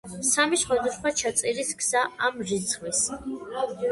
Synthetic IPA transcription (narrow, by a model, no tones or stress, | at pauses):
samiʃχwad̪usχwat͡ʃʰat̪sʼiɾiskʰsaamʒit̪sʰχwis